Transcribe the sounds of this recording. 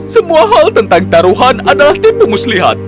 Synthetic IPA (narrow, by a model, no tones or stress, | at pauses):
səmũaɦalt̪ənt̪aŋt̪aɾuɦanadalaht̪ipumusliɦa̰t̪̚